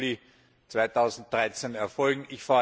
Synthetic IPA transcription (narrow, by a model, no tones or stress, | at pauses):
li | t͡sv̥aɪtʰɑʊzn̩t̚d̥ʁaɪt͡senɛɐfɔlɡŋ̩ɪçfaː